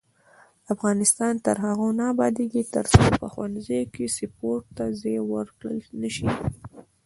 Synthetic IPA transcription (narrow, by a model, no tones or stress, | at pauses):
afɣɑnɪst̪ɑnt̪əɾɦaɣonɑbɑd̪eɡit̪ə̰ɾsopəxwanzejokesɪpoɾʈt̪azewəɾkɽə̰lnəʃi